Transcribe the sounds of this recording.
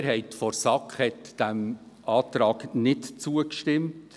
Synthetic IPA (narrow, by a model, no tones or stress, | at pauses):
ɾhɛɪtfɔɾsɑkχhɛtd̥æm | ʔɑːtɾɑːɡnɪtt͡suəkʃtɪmt